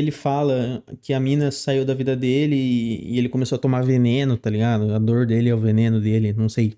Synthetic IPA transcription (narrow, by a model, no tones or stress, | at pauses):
elɪfalɐkɪɐmĩnɐsaiwd̪ɐvid̪ɐd̪elɪ̰ːelɪkõmesowɐt̪omavenẽnʊt̪aliɡad̪ʊɐd̪oɾd̪elɪɛʊvenẽnʊd̪elɪnɐ̃w̃sej